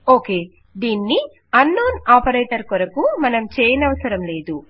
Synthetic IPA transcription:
oːke̞ː | d̪iːnːi | ɐnːoːnaːpɐɾeːʈɐɾkɔɾɐkumɐnɐmt͡ʃeːjɐnɐʋɐsɐɾɐmle̞ːd̪u

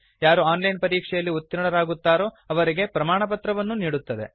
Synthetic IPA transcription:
jaːɾuaːnlɐjnpɐɾiːkʂɛjɐlːiut̪ːiɾɐɳɐɾaːɡut̪ːaːɾo̞ː | ɐʋɐɾiɡe̞pɾɐmaːɳɐpɐt̪ɾɐʋɐnːuniːɽut̪ːɐd̪e̞̰

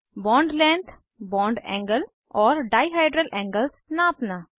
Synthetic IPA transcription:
bɔ̃ːɳɖlɛ̃ːnt̪ʰ | bɔ̃ːɳɖɛ̰̃ːŋɡəl | ɔːɾɖaːɪɦaːɪɖɾəlʔɛ̃ːŋɡəlsnaːpnaː

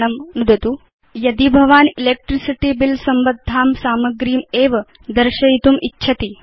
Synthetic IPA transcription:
nɐmnud̪ʱɐt̪u | jɐd̪ibʱɐʋaːnileːk̚ʈɾisiʈibilsɐmbɐd̪ʱːaːmsaːmɐɡɾiːmeːʋɐ | d̪ɐɾʃɐjit̪umʔitːʃʰɐt̪i

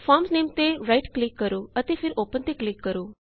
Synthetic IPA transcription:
fʰɔːɾmsneːmt̪eːɾaiʈklɪkːəɾoːət̪eːpʰɪɾoːpənt̪eːklɪkːəɾoː

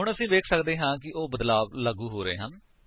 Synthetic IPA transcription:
ɦʊɳəsĩːʋeːkʰsəkd̪eːɦãːkɪʔoːbəd̪laːbləɡuːɦoːɾəḛːɦən

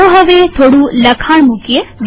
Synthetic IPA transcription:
oɦəʋet̪ʰoːɽũləkʰaɳ̃mukjəd͡ʒ

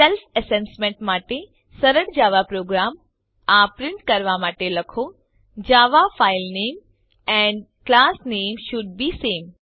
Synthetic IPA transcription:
selfɛsensmẽɳʈmaːʈe | sɐɾəɽd͡ʒaːʋapɾoːɡɾaːm | apɾɪ̃ɳʈkɐɾʋamaːʈelɐkʰo | d͡ʑaːʋafaːɪlneːm | ɛ̃ɳɖ | klaːsneːmʃʊɖ̚biːsẽːm

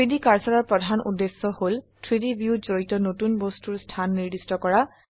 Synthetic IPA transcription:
tɹidikaɹsɔɹɔɹpɹɔdʱanṵdːesːɔholtʰɹidibjuzoɹitɔnotunbostuɹstʰanːiɹdistɔkɔɹa

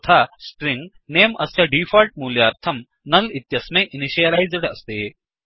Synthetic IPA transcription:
t̪ʰaspɾiŋɡ | neːmɐsjaɖiːfalʈ̚muljaːɾt̪ʰɐm | nɐlit̪jɐsmẽʔiniɕijɐlajd͡zəɽɐst̪e

